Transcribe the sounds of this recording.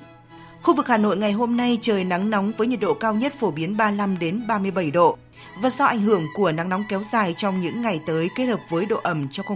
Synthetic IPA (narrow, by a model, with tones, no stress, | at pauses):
xu˧vɨ˨˩k̚haː˨˩no̰˧˨jŋa˨˩jɦo˧mna˧jt͡ɕəː˨˩jna˨˦ŋnɔ˨˦wŋ͡mvəː˨˦jɲə˨˩t̚ɗo̰˧˨kaː˧wɲə˦˥t̚fo˧˩ɓi˨˦ənɓaː˧la˧mɗe˨˦nɓaː˧mɨ˧əjɓə˧˩jɗo̰˧˨ | vaː˨˩t̚zɔ˧ʔa˧˩jŋ̟hɨ˧˩əŋku˧˩əna˨˦ŋnɔ˨˦wŋ͡mkɛ˨˦wzaː˨˩jt͡ɕɔ˧wŋ͡mɲɨ̰˧˥ŋːa˨˩jt̪əː˨˦jke˦˥t̚həː˨˩p̚vəː˨˦jɗo̰˧˨ʔə˧˩mt͡ɕɔ˧ŋ͡mx